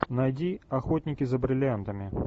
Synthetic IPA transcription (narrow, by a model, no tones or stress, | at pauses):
najdʲiɐxot̪ʲnʲɪkʲɪzɐbɾɪlʲant̪ɐmʲɪ